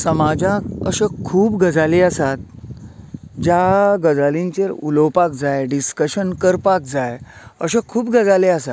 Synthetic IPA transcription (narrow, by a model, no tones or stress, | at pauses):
səmad͡ʑakəɕekʰuːbɡəd͡zaleəsat̪̚ | d͡ʑaɡəd͡zalĩɲt͡ɕeɾuləwpak̚d͡zajɖiskəɕənkəɾpak̚d͡zajəɕekʰuːb̚ɡəd͡zaleəsat̪